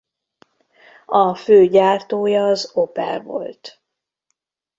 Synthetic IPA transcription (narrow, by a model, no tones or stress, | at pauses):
ɒføːɟaːrt̪oːjɒːzopɛ̰rvo̞̰lt̪